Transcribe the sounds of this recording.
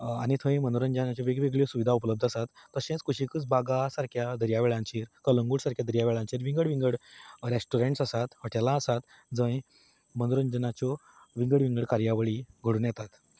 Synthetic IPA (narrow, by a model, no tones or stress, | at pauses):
añit̪ʰə̃j̃mənoɾənd͡ʑənat͡ɕjɔʋeɡʋeɡɭijosuʋid̪ʱaupləb̚d̪ʱəsat̪ːəɕẽt͡skuɕikət͡sbaɡasaɾkʰjad̪ʱəɾjaʋeɭãɲt͡ɕiːɾkələŋɡuɽsaɾkʰjad̪əɾjaʋeɭãɲt͡ɕiːɾʋĩŋɡəɽʋĩŋɡəɽɾesʈuɾẽɳʈsasat̪həʈjalaːsat̪ | d͡zə̃j | mənd̪oɾənd͡ʑənat͡ɕɔ | ʋĩŋɡəɽʋĩŋɡəɽkaɾjaʋəɭiɡʱəɽuːnjɛt̪at̪